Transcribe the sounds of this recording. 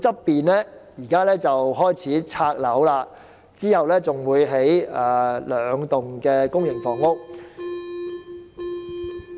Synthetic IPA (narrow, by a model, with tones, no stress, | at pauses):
t͡sɐ˥pːiː˨nlɛː˥jiː˨˩kaː˥lɛː˥t͡sɐ˨wɦɔː˥jt͡sʰiː˨˥t͡sʰaː˧k̚lɐ˨˥wlaː˧ | t͡siː˥hɐ˨wlɛː˥t͡sʊ˨ŋwuː˨˧jɦe˨˥jaː˧˩lœː˨˧ŋt̪ʊ˨ŋkɛː˧kʊ˥ŋjɪ˨˩ŋfɔː˨˩ŋʊ˥k̚